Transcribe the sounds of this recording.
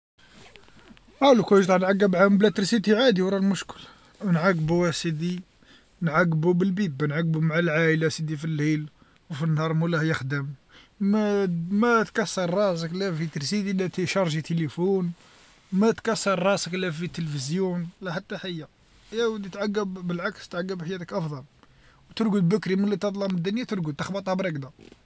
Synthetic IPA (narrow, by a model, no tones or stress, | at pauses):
ʕælukæjʒt̪ˤɑʕnʕaɡːəbʕamblæt̪əɾsit̪iʕad̪iwɾˤɑlmʊʃkəl | wnʕaɡːbuwæsid̪i | nʕaɡːbubəlbibnʕaɡ̚ːbumaʕalʕaʔəlæsid̪ifilːil | wfinːhɑɾˤmulæhjəxd̪əm | mæt̪kæsːɑɾˤːɑs̬əklæfit̪əlsid̪ilæt̪iʃɑɾˤʒit̪əlifun | mæt̪kæsːɑɾˤːɑsəklæfit̪ːəlfəzjunlæħat̪ːaħajːa | jæwəd̪it̪ʕaɡːəbːəlʕakst̪ʕaɡːəbħajæt̪əkʔɑfd̪ˤɑl | wt̪əɾɡud̪bəkɾimənlːit̪ɑt̪ˤlɑməd̪ːənjæt̪əɾɡut̪əxbɑt̪ˤhɑbɾˤɑkd̪a